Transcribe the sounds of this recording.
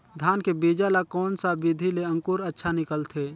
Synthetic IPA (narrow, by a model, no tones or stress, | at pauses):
d̪ʱaːnkebiːd͡ʒalakɔːnsabɪd̪ʱileə̃ŋkuɾətːʃʰanɪkəlt̪ʰe